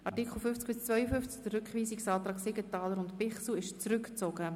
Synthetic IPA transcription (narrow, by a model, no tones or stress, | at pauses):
ʔɑʁtikχl̩ˠfʏft͡skb̥ɪst͡svœjəfʏft͡skd̥ərɾʏkχʋiːsiksɑːt̪ɾɑːksɪɡətɑːləɾʊntpɪχsl̩ɪʃt͡sɾʏkt͡sɔɡə